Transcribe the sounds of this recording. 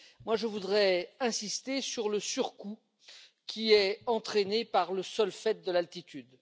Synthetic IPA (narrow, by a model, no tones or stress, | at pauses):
mwaʒəvud̪ʁɛɛ̃sist̪esyʁləsyʁku | kʲʰiɛɑ̃t̪χenepaʁləsœlfɛt̪̚d̪əlalt̪it̪yd̪